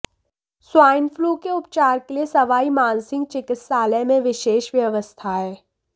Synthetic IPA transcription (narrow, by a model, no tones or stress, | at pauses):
swaːɪnfluːkeʊpt͡ʃaːɾkeliesɐʋaːimãːnsɪ̃ŋɡt͡ʃɪkɪt̪saːlɛmẽʋɪʃeːʃʋjɐʋəst̪ʰaɦɛː